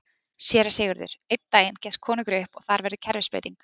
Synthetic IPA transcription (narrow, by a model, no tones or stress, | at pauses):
sjɛːɾaseːɣʏɾðʏ̰ɾ̥ejt̪t̪ːaːjɪncɛst̪̚kʰɔːnɪŋkʏɾʏhpɔɣθaɾvɛɾðɪcʰɛɾvɪspḛjt̪iŋk